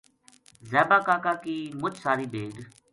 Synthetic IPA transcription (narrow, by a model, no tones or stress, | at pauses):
zɛːbaːkaːkaːkiːmʊt͡ʃʰsaːɾiːbeːɖ